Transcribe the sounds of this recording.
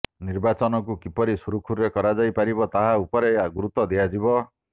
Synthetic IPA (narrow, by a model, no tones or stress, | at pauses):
niɾbat͡ʃɔnɔk̬ukipɔɾisuɾukʰuɾɾekɔɾad͡ʒajpaɾibɔt̪aɦaupɔɾeaɡuɾut̪ɔd̪ijad͡ʒibɔ